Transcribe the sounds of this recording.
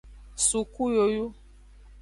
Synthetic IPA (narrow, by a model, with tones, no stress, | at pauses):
su˨ku˦jo˨ju˦